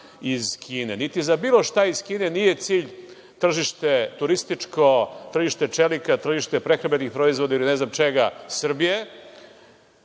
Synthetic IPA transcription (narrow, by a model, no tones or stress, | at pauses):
izkʰiːnenit̪izabiːlo̞ʃt̪aiz̥kiːne̞nijet̪siːʎ | t̪r̩ʒiʃt̪e̞t̪uɾist̪it͡ʂkʰot̪r̩ʒiʃt̪e̞t͡ʂelikat̪r̩ʒiʃt̪e̞pɾexɾabenixpɾo̞izvo̞d̪ailineznamt͡ʃeɡasr̩bije̞